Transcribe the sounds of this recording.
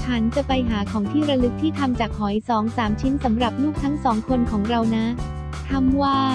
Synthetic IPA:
t͡ɕʰa˦˥nt͡ɕa˨˩pa˧jɦaː˩˦kʰɔː˩˦ŋt̪ʰiː˥˩ɾa˧lɯ˦˥k̚t̪ʰiː˥˩t̪ʰa˧mt͡ɕaː˨˩k̚hɔ˨˩˦jsɔː˩˦ŋsaː˩˦mt͡ɕʰi˦˥nsa˩˦mɾa˨˩p̚nuː˥˩k̚t̪ʰa˦˥ŋsɔː˩˦ŋkʰo˧nkʰɔː˩˦ŋɾa˧wna˦˥ | t̪ʰa˧mwaː˥˩

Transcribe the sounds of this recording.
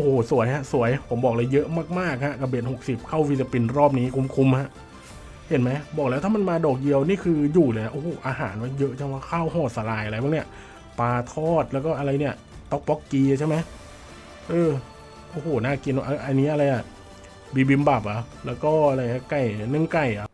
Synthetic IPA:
ʔo˧hoː˨˩su˨˩˦əjha˧˥ʔsu˨˩˦əjpʰo˩˦mbɔː˨˩k̚lɤ˧jːɤ˦˥ʔmaː˥˩k̚maː˥˩k̚ha˦˥ʔka˧˩beː˨˩t̪̚ho˨˩k̚si˨˩p̚kʰa˥˩wi˦˥sa˧pi˧nɾɔː˥˩p̚niː˦˥kʰu˧mkʰu˧mha˦˥ʔ | he˨˩˦nma˦˥jbɔː˨˩klɛ˦˥wt̪ʰaː˥˩ma˧nmaː˧dɔː˨˩k̚ji˧əwniː˥˩kʰɯː˧juː˨˩lɤː˧˩ja˨˩ʔoː˧˩hoː˨˩ʔaː˧ɦa̰ː˩˦nwa˦˥jɤ˦˥ʔt͡ɕʰa˥˩waː˦˧˥kʰaː˥˩whɔː˧˩t̪̚sa˧laː˧jʔa˧ɾa˧jbɔ˧˥ŋni˦˥ɐ˨ | paː˧t̪ʰɔː˥˩t̪̚lɛː˦˥wkɔː˥˩ʔa˧ɾa˧jni˥˩ɐ | t̪ɔ˦˥k̚pɔ˦˥kːiː˧a˨˩t͡ɕʰjma˦j | ʔɤː˧ | ʔoː˧˩hoː˨˩naː˥˩ki˧na˧ʔaː˧˩ʔa˧nːi˦˥ʔa˧ɾa˧jʔa˨˩ | biː˧bi˧mba˨˩p̚ʔa˨˩lɛː˦˥wkɔː˥˩ʔa˧ɾa˧jŋ˦˥˩ka˨˩jnɯ˧˥˩ŋka˨˩jʔa˨˩

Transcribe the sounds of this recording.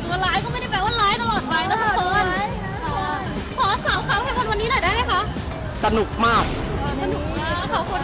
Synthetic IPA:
t̪u˨˩˦laː˦˥jkɔː˥˩m˥˩da˥˩pɛ˧˥waː˧laː˦˥jt̪a˧lɔː˨˩t̪̚pa˧jna˦˥kʰa˧˦˥kʰɔ˧˦˧n | kʰɔː˩˦saː˩˦wkʰaː˦wkɛ˧˩kʰo˧nwa˧nːiː˦˥nɔː˨˩daː˥˩jma˦˥jkʰa˦˥ʔ | sa˧nu˨˩k̚maː˥˩k̚ːsa˧nu˨˩k̚maː˥˩˥kʰaː˨˦kʰo˧n

